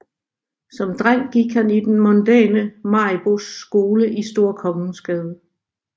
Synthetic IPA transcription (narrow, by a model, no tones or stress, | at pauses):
sɒ̽md̥ʁaŋ̰ɡ̥iɡ̥hænid̥enmɔnd̥ɛ̰ːnəmɑ̈ɪb̥o̝sːɡ̥o̝ːləʔisd̥o̝ɐ̰kʰɒ̽ŋn̩sɡ̥ɛːð̞ˠə